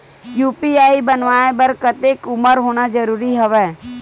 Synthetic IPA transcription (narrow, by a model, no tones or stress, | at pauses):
juːpiaːibənʋaːebəɾkət̪ekʊməɾɦoːñad͡ʒəɾuːɾiɦəʋɛː